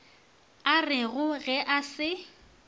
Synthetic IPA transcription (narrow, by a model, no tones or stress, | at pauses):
arɪɣʊɣɛʔasɪ